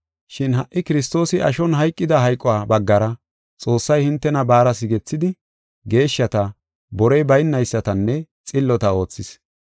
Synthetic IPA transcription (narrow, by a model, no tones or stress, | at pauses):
ʃɪnɦɐʔːɪkɪɾɪs̬t̪o̞ːsɪʔɐʃɔnɦɐjkʼːɪd̪ɐɦɐjkʼːɔwaːbɐɡːɐɾɐ | t͡sʼo̞ːsːɐjhɪnt̪ːɛnɐbaːɾɐsɪɡɛt͡sːɪd̪ɪ | ɡe̞ːʃːɐt̪ɐ | bɔɾɛjbɐjnːɐjsːɐt̪ɐnːɛ | t͡sʼɪlːɔt̪ɐo̞ːt͡sːɪs